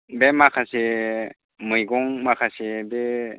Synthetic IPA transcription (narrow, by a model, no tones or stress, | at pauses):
bemakʰase | mɯjɡɔŋmakʰasebe